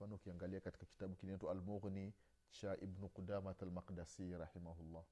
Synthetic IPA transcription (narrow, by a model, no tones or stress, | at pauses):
fanukijaŋɡaliakatkaki̥tabukinetualmuɣni | t͡ʃaʔibnuqudamatalmaqdasiɾɑħimaɦulːa